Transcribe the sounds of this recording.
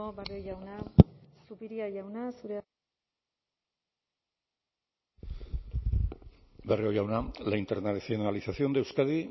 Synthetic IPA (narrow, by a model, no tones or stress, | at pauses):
obereojawnasupiɾiaʝawnasuɾe | bereo̞jawnalaint̪eɾnasenalisasio̞nd̪ewskaði